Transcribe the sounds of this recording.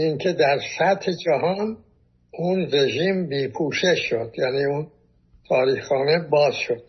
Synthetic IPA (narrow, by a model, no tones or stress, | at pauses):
iŋkʰe̞d̪æɾsæt̪hed͡ʒæɦɒːn | unre̞ʒiːmbiːpʰuːʃeʃːo̞d̪̥jæːniːun | t̪ʰɒːɾiːhxɑːnebɒːz̥ʃo̞d̪̥